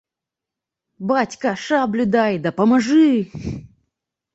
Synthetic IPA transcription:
batʲkɐʂablʲʊd̪ajd̪ɐpɐmɐʐɨ

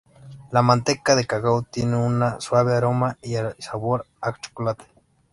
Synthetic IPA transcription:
lamant̪ekːaðekaɣaut̪inunaswaβeaɾomaiasaβoɾ | akt͡ʃo̥kolat̪e̥

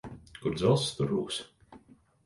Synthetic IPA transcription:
kuɾd̪zɛlˠst̪uɾuːks

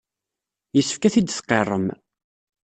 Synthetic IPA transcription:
jəsːə̥fkæθid̪θqːerˤːə̰m

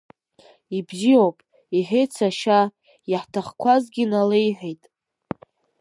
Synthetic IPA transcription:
ibziowpʼ | iħejt͡sʰaʃa | jaħtʰaχkʷʰazɡʲinalejħʷejtʼ

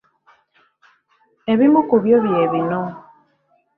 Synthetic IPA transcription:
eβimukuβjoβjeβinɔ

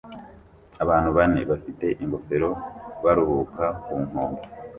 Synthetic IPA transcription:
aβaːn̥huβane̞̰βafite̞ʔiŋɡo̞fe̞ɾo̞βaɾuhukakuːŋ̥hoːŋo

